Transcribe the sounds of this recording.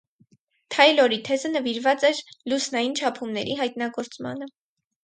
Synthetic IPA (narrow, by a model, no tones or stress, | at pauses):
t̪ʰɑjlɔɾit̪ʰɛzənəviɾvɑt͡sɛɾlusnɑjint͡ʃʰɑpʰumnɛɾiɦɑjt̪̚nɑɡɔɾt͡smɑ̰nə